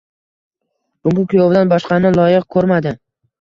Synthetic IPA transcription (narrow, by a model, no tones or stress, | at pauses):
bʊmʊkʲʰʊjovd̪anbɒʃqɑnɪlˠɒjɪq̚kʰɵɾmad̪ɪ